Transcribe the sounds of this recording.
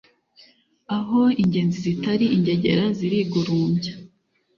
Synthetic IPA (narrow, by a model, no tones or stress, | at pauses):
aɦo̞iɲɟe̞ːnzizitaɾiiɲɟe̞ɟe̞̰ɾaziɾiɡuɾuːmɟa